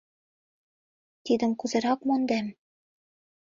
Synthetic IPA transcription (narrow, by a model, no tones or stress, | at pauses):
t̪id̪ə̆mkuzɤ̆ɾɑkmond̪æm